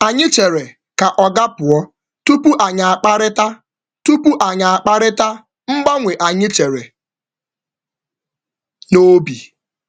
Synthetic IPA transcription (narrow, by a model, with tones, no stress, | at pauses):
a˨ɲɪ˦t͡ʃe˨ɾe˨ | ka˨ʔɔ˨ɡa˦pʊ˨ɔ˦ | tu˦pu˦ʔa˨ɲa˨a˨k͡pa˦ɾɪ˦ta˦ | tu˦pu˦ʔa˨ɲa˨a˨k͡pa˦ɾɪ˦ta˦ | m̩˦ɡ͡ba˦ŋʷe˨ʔa˨ɲɪ˦t͡ʃe˨ɾe˨ | no˦bi˨